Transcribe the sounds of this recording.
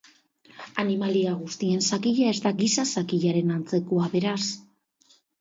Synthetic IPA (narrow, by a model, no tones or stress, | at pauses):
animaliaɣust̪ie̞nsakiʎae̞zt̪aɡisasakiʎaɾe̞nant͡se̞koaβe̞ɾas